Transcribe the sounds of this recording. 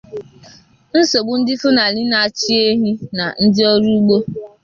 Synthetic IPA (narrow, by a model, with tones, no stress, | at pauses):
n̩˦so˨ɡ͡bu˦n̩˦dɪ˦fʊ˦na˨lɪ˦na˨a˨t͡ʃi˦e˦ɦi˦na˨n̩˦dɪ˦ɔ˦ɾu˦ɡ͡bo˦